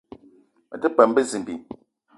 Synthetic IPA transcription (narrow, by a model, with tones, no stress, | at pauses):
ə̰˨tɛ˦pɛ˨m˦be˦zi˨m˨bi˨